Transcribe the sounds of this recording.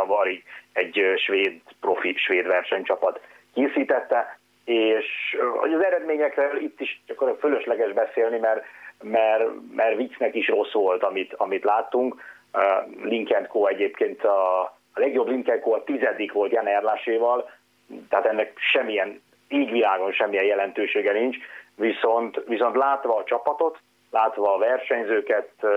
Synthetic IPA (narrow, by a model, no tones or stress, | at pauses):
vɒɾiɡɛɟøʃʋeːd̪profiʃʋeːd̪ʋɛrʃɛɲt͡ʃɒpɒt̪ | keːsiːt̪ɛt̪ːɛ | eːʃo̰ɟɒzɛɾɛd̪meːɲɛkrøːlit̪ːiʃɒkːoɾføløʃlɛɡɛʒbɛseːlnimɛrmɛrmʔɛrvit̪snɛkiʃro̞sʋo̞lt̪ɒmit̪ɒmit̪laːt̪ːuŋk | liŋkɛnt̪̚koːɛɟeːpkeːnt̪ɒ | lɛɡjo̞bliŋkɛn̚koːɒt̪izɛd̪ikʋo̞lt̪jɛnɛrlaːʃeːvɒl | t̪ɛɦaːt̪ɛnːɛkʃɛmːijɛn | eːɟʋilaːɡo̞nʃɛmːijɛjɛlɛnt̪øːʃeːɡɛnint͡ʃʋiso̞nt̪ʋiso̞nt̪laːt̪ʋɒːt͡ʃɒpɒt̪o̞t̪ | laːt̪ʋɒːvɛrʃɛɲzøːkɛt̪